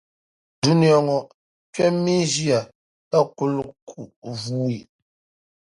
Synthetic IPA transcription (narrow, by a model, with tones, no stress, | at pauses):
du˦ni˨ɔ˨ŋɔ˨ | t͡ʃɥɛ˦mi˦d͡ʒi˦a˨ | ta˦ku˦˨lkʰu˨ʔvuː˨˦i˨